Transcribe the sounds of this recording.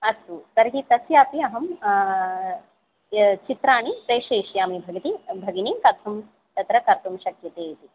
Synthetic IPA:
ɐsusɐɾɦit̪ɐsjaːpiɐɦɐm | t͡ʃit̪ɾaːnipɾeːʃeːʃjaːmibʱɐɡɐt̪ibʱɐɡiniːmkɐɾt̪ʰɐm | t̪ɐt̪ɾɐkɐɾt̪umʃɐkjɐt̪eːt̪i

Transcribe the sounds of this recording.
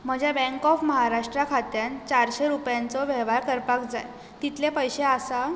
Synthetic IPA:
m̤əd͡ʑʱjabɛ̃ŋkɔfməɦaɾaʂʈɾakʰat̪jant͡ɕaɾɕeɾupjãnt͡sɔʋɛɦʋaɾkəɾpakd͡za̰j | t̪it̪lepəjɕeasa

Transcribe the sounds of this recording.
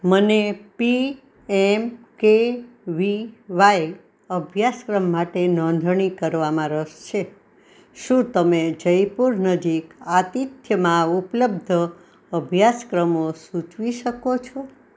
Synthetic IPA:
mənepi | emkeʋiʋaj | əbʱjaskɾəmːaʈenɔ̃nd̪ʱɳ̃ikəɾʋamãɾəʃt͡ʃʰe | ʃũt̪əmed͡ʒəjpuɾnəd͡ʒikat̪it̪jəmãupləbd̪ʱə | əbʱjaskɾəmosũt͡ʃʋiʃəkot͡ʃʰo

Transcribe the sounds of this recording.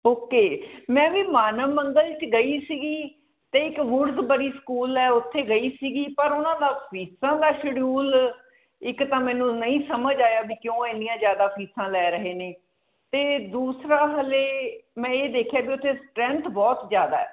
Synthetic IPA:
oːkeːmɛ̃ːʋiːmaːnəʋməŋɡəlt͡ʃɡəiːsiːɡiː | t̪eːɪkʋʊɾzbəɽiːskuːlɛːʊt̪ʰːeːɡəiːsiːɡiːpəɾʊnãːd̪aːpʰiːsãːd̪aːʃəɽjuːl | ɪkt̪ãːmɛ̃ːnũːnəĩːsəməd͡ʒaːjaːbiːkjõːɪnːijãːzjaːd̪aːpʰiːsãːlɛːɾəɦeːneː | t̪eːd̪uːsɾaːɦəleːmɛ̃ːeːd̪eːkʰjaːbiːʊt̪ʰːeːsʈɾɛ̃nt̪ʰbɔːt̪zjaːd̪a̰ːɛː

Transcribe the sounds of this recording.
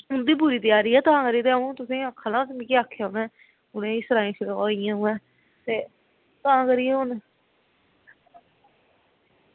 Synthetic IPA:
ɦʊnd̪iːbʊːɾiːt̪ɪjaːɾiːɛːt̪ʊɦãːkəɾiːt̪eaũːt̪ʊsĩːakʰːaːnãːsmĩːkeaːkʰːejaːʊnɛ̃ː | ʊnẽːiːsəɾaːĩːt͡ʃɪlaːɪjãːɦũːɛ̃ː | t̪eː | t̪ʊãːkəɾiːʊn

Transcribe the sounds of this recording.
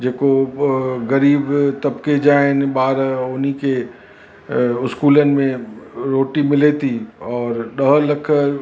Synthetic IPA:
d͡ʒeːko | ɣɐɾiːbt̪ɐbked͡ʒaːen̆baːɾʊnike | ʊskuːlənɪ̆mẽɾoːʈimɪlet̪iɔːɾɗəɦlɐkʰə

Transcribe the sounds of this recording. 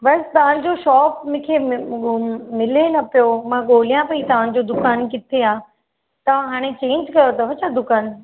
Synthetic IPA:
bɐst̪ɐʋ̤ə̃ɽ̃d͡ʑoʃɔːpmʊ̃ːkʰe | mɪlenɐpijomãɠoːlijãpɐit̪ɐʋ̤ãːnɪ̃̆d͡ʑod̪ʊkaːnkɪt̪ʰeaː | t̪ɐʋ̤ãɦaːɽ̃et͡ɕẽːɲd͡ʑkɐjot̪ɐɦɐt͡ɕʰad̪ʊkaːn

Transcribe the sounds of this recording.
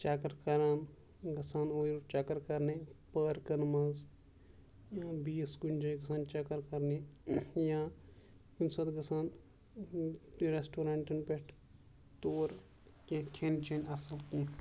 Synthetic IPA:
t͡ʃaːkɐɾkɐɾaːn | ɡɐsaːnoːiɾt͡ʃakɐɾkɐɾnepəɾkɐnmɐz | biːsɡund͡ʒɐɡɐsaːnt͡ʃakɐɾkɐɾnejãː | kunsɐt̪ɡɐsaːn | ɾesʈoːɾãːɳʈɐnpeʈʰ | t̪oːɾ | kẽkʰent͡ʃenɐsɐlk̪ĩ

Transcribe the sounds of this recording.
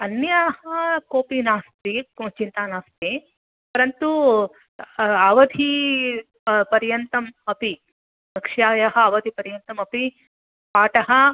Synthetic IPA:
ɐnjaːɦɐkoːpinaːst̪it͡ʃint̪aːnaːst̪i | pɐɾɐnt̪u | aʋɐd̪ʱi | pɐɾjɐnt̪ɐmɐpi | ɐkʂjaːjaɦɐaːʋɐd̪ʱipɐɾjɐnt̪ɐmɐpi | paːʈɐɦɐ

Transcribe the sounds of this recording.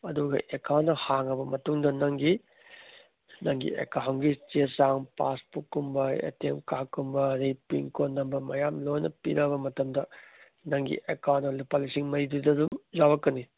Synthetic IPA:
ɐduɡɐ̰ʔekʰawnɐhaŋɐbɐmɐtuŋdɐnɐŋɡi | nɐŋɡḭḛkaɦŋɡit͡ʃesaŋpa̰spukːumbɐḛtemkakːumbɐɾipiŋkonːɐmbɐmɐjamlojnɐ̰piɾɐbɐmɐtɐmdɐ | nɐŋɡḭʔekawnɐlupalisiŋmɐɾididɐdumzawɐkːɐni

